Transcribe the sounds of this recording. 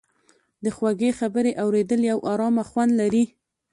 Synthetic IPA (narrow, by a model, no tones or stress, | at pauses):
d̪əxwaɡexabəɾeʔawɾed̪əljawʔɑɾɑmaxwand̪laɾi